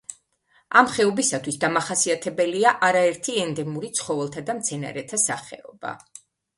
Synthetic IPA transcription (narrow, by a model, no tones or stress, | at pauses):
amχɛɔbisat̪ʰwisd̪amaχasiat̪ʰɛbɛliaʔaɾaɛɾt̪ʰiɛnd̪ɛmuɾit̪sʰχɔvɛlˠt̪ʰad̪amt̪sʰɛna̰ɾɛt̪ʰasaχɛ̰ɔ̰ba̰